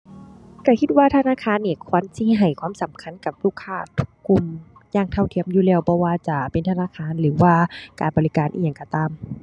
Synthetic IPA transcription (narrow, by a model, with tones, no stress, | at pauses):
ka˧˩kʰi˧t̪̚waː˧t̪ʰa˧naː˧˥˨kʰaː˧˥˨nːiː˧˩kʰɔː˧˨nsiː˧ɦa˨˩jkʰwaː˧˥˨msa˨˦mkʰa˧˥˨nka˧˩p̚luː˧˩kʰːaː˧˩t̪ʰu̥˧kːu˧˩m | jaː˧˩ŋt̪ʰa˧˩˨wt̪ʰi˧˨ə˨mjuː˧lɛː˧˩wbɔː˧waː˧˩t͡ɕa˧pe˨nt̪ʰa˧naː˧˥˨kʰaː˧˥˨nlɯː˨˦waː˧kaː˨nbɔː˨li˦˧kaː˨nʔḭ˧˨ja˨˧˩ŋkɔ˧˩t̪aː˧˨m